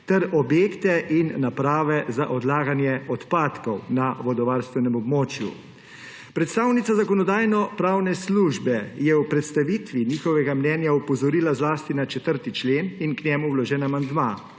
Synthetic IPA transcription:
t̪ɛɾɔbjeːkt̪ɛʔinːapɾaːʋɛza̰ʔɔd̪laːɡanjɛɔt̪paːt̪kɔwnaʋɔd̪ɔʋaɾst̪ʋɛnɛmɔbmoːt͡ʃjṵ | pɾɛt̪st̪aːwnit̪sazakɔnɔd̪aːjnɔpɾaːwnɛsluʒbɛjɛwpɾɛt̪st̪aʋiːt̪ʋiniːxɔʋɛɡamnɛnjaupɔzɔɾiːlazlaːst̪inat͡ʃɛt̪əɾt̪it͡ʃleːninknɛmuwlɔʒɛːnamand̪ma

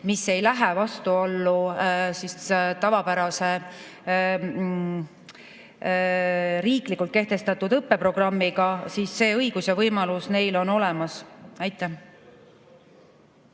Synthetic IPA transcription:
mise̞jlæɦɛvɑst̪uolːusist̪ɑvɑpæɾɑse̞ | ɾiːklikːˑult̪ke̞ht̪e̞st̪ɑt̪ːˑud̪ɤpːe̞pro̞ɡ̥rɑmːiɡ̥ɑsiːsːe̞ːɤjɡ̥usjɑvɤjmɑlusne̞jlo̞no̞lɛ̞mɑsæjt̪ˑːæ

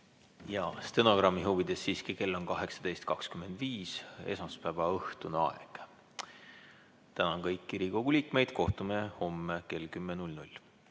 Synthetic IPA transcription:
jɑst̪eno̞ɡ̥rɑmːiɦuvid̪̥e̞sːiːskike̞lːo̞nkɑɦe̞ksɑ̥d̪e̞jst̪̚kɑkskyme̞nd̪̥viːse̞̰sɑspæːvɑɤht̪unɑ̰eɡ̥ | t̪ænɑnkɤjkːiɾiko̞ɡ̥uliːkme̞jd̪̥ko̞ht̪umeho̞mːeke̞lkymːenulʲnulʲ

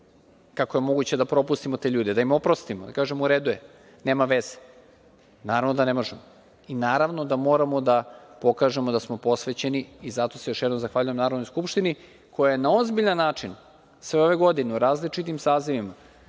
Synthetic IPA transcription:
kakoje̞mo̞ɡut͡ɕe̞d̪apɾo̞pust̪imot̪e̞ʎuːd̪ed̪aimo̞pɾo̞st̪imod̪akaːʒemouɾed̪uje̞ | neːmaʋez̥e | naːɾavnod̪ane̞mo̞ʒemo | inaːɾaʋno̞d̪amo̞ːɾamo̞d̪apo̞kaːʒe̞mo̞d̪asmo̞po̞sʋet͡ɕe̞niizat̪o̞sejo̞ʃjɛd̪o̞mzaxʋaːʎujemnaːɾonojskupʃt̪ini | kʰo̞jajenao̞zbiʎanːaːt͡ʂin | sʋe̞o̞ʋe̞ɡo̞d̪ineuɾaːzlit͡ʃit̪̬imsaːziʋima

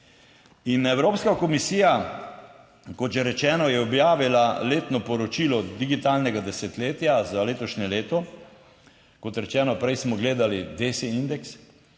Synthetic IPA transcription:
inɛwɾoːpskakɔmisiːja | kɔt̪ʒɛɾɛt͡ʃɛːnɔjɛɔbjaːʋilaleːt̪nɔpɔɾɔt͡ʃiːlɔd̪iɡit̪aːlnɛɡad̪ɛsɛt̪leːt̪jazaleːt̪ɔʃɲɛleːt̪ɔ | kɔt̪ɾɛt͡ʃɛːnɔpɾɛjsmɔɡleːd̪alid̪eːsiind̪ɛks

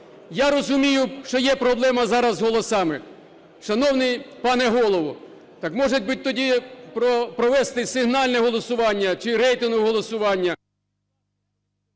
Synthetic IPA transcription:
jaɾɔzʊmʲijʊʃt͡ʃɔjɛpɾɔblˠɛmɐzɑɾɐzɦɔlˠɔsɑmɪ | ʃɐnɔwnɪjpɑnɛɦɔlˠɔʋʊ | t̪ɑkmɔʒetʲbɪt̚ʲt̪ɔdʲipɾɔpɾɔʋɛst̪ɪsɪɦnɑlʲnɛɦɔlˠɔsʊʋɑnʲːɐt͡ʃɪɾɛjt̪ɪnɦʊɦɔlˠɔsʊʋɑnʲːɐ

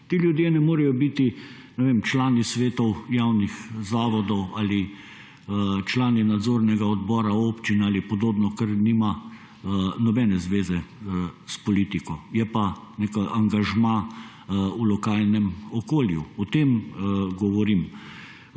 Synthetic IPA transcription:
t̪iːljud̪jeːnɛmoːɾɛjɔbit̪i | nɛʋemt͡ʃlaːnisʋeːt̪ɔwjawnixzaːʋɔd̪ɔwaːli | t͡ʃlaːninad̪zoɾnɛɡaɔd̪bɔːɾaoːpt͡ʃinalipɔd̪oːbnɔkɐɾniːma | nɔbɛnɛzʋeːzɛspɔliːt̪ikɔjɛpa | nekaʔaŋɡaʒma | ulɔkaːlnɛmɔkoːljṵɔt̪eːmɡɔʋɔɾim

